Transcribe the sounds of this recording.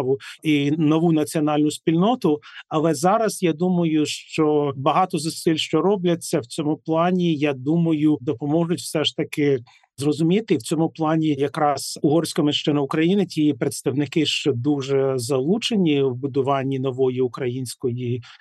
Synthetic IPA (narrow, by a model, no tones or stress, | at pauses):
ʋʊinɔʋunɐt͡sʲiɔnɑlʲnʊsʲpʲilʲnɔt̪ʊɐlˠɛzɑɾɐsjad̪umɐjʊʃt͡ʃɔbɐɦɑt̪ɔzɐsɪlʲʃt͡ʃɔɾɔblʲɐt͡sʲːɐwt͡sʲɔmʊplˠɑnʲijad̪umɐjʊd̪ɔpɔmɔʒʊtʲwsɛʃt̪ɐkɪ | zrɔzʊmʲit̪ɪwt͡sʲɔmʊplˠɑnʲijɐkɾɑsʊɦɔrsʲkɐmɪʃt͡ʃɪnɐʊkɾɐjinɪtʲijipɾet̪st̪ɐwnɪkɪʃt͡ʃɔd̪uʐɛzɐlˠut͡ʃenʲiwbʊd̪ʊʋɑnʲːinɔʋɔjiʊkɾɐjinʲsʲkɔji